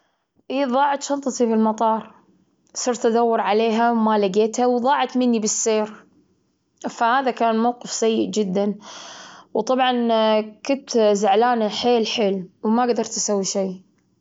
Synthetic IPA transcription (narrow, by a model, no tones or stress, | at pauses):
ʔiːðˤɑːʕɑt̪ʃɑlt̪ˤɑt̪ibɪlmɑt̪ˤɑːɾˤ | sˤɨːɾt̪ad̪awːʊɾʕaleːɦawmalɪɡeːt̪hawðˤɑːʕɑt̪mɪnːibɪsːeːɾ | fahaːðakaːnmawqɨfsajːɪʔd͡ʒɪd̪ːan | wt̪ˤɑbʕɑnkʊnt̪zɪʕlaːnaħeːlħeːlwmaɡd̪ɑɾˤt̪asawːiʃaː